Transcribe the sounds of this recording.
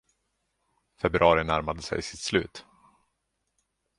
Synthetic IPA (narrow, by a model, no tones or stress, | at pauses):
fɛbɾɑːɾɪnæɾmad̪əsɛ̰jsɪ̥t̪slʉ̟ːt̪